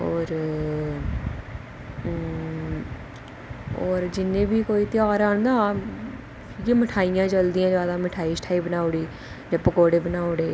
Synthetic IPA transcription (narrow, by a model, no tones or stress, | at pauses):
ɔːɾ | ɔːɾd͡ʒɪnːẽːbiːkoːiːt̪ɪjaːɾaːɳd̪ãː | keːməʈʰaːijãːt͡ʃəld̪iːãːd͡ʒaːd̪ãːməʈʰaːiːsʈʰaːiːbənaːʊɽiː | d͡ʒaːpəkoːɽeːbənaːʊɽeː